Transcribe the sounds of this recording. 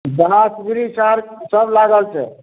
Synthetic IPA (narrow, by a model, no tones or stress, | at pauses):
d̪asɡɾisaɾsəblaɡəlt͡ʃʰɛ